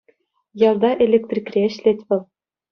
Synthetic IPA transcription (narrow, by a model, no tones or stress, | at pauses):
jɑrd̪ɑʔelʲek̚t̪rʲikʲrʲeɘ̆ɕlʲetʲʋʲɘ̆lˠ